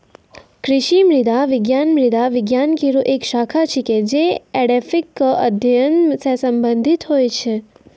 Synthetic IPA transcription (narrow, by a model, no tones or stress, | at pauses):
kɾɪʃimɾid̪aʋɪɡjanmɾid̪aʋɪɡjankiɾuʔekʃakʰat͡ʃʰeked͡ʒeeɽefikəd̪ʱjənsesəmbənd̪ʱit̪ɦojt͡ʃʰe